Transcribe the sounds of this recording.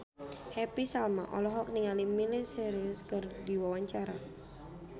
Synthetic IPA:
hɛpisalma̰ʔɔ̰lɔɦɔk̚niŋalimilɪsɛɾɪskərd̪iwawaɲt͡ʃaɾa

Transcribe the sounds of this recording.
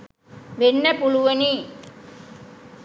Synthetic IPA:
ʋenːɐpuɭuʋɐni

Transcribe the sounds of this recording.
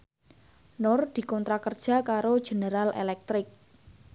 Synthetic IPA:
nɔrd̪̥i̤kɔnt̪ɾakərd̥ʒ̥a̤kaɾo̥ʒ̥e̤nəɾalʔḛlɛk̚t̪ɾɪk̚

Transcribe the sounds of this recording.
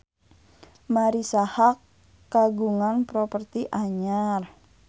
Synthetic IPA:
maɾisahakː | aɡuŋanpɾopərt̪iʔaɲar

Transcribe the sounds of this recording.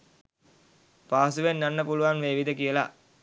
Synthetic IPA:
paːsuʋenːanːəpuluʋanʋeːʋid̪əkijəla̰

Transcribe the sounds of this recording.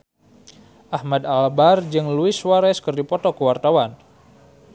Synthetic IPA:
ʔahmad̪albard͡ʒɨŋluɪswaɾɛskərdipɔt̪ɔkəwart̪awan

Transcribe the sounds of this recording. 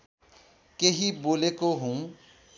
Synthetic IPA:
keɦiboːlekoɦũː

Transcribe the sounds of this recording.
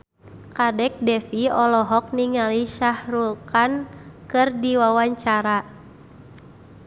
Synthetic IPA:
kadɛk̚dɛfiɔlɔɦɔk̚niŋaliʃahrulkankɨrdiwawaɲt͡ʃaɾa

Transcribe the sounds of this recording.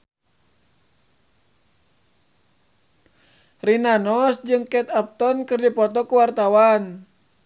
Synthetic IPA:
rinanɔsd͡ʒɨŋkɛt̪ap̚t̪ɔnkɨrdipɔt̪ɔkuwart̪awan

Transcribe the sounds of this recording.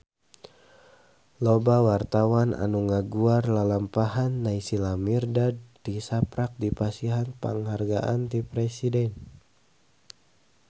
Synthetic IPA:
lobawart̪awana̰nuŋaɡuarlalampahanːaisilamirdadt̪isapɾak̚dipasiɦanpa̰ŋɦarɡa̰ʔant̪ipɾɛsidɛn

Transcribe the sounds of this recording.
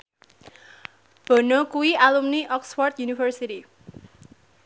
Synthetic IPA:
b̥ɔ̤nɔkuwialumniʔɔksfɔrt̪junifərsiti

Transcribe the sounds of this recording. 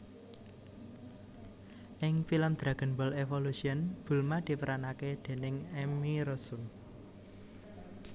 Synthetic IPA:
ʔɪŋfilɔmd̪̥ɾa̤ɡ̥ə̤nbɔlefolusiənb̥ṳlmad̪̥i̤pəɾʔanaked̪̥e̤nɪŋɛmiɾɔsu

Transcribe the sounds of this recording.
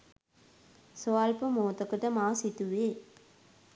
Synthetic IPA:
soalpəmoːt̪əkəʈəmaːsit̪uʋeː

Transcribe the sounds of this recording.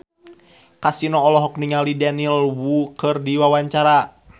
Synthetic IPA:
kasinɔːlɔɦɔkniŋalidanilwukɨrdiwawaɲt͡ʃaɾa

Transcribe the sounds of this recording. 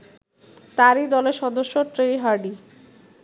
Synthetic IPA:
t̪aɾid̪ɔleɾʃɔd̪oʃːoʈɾejɦaɾɖi

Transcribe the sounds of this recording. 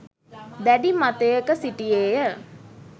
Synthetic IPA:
d̪æɖimat̪ejəkəsiʈijeːjə

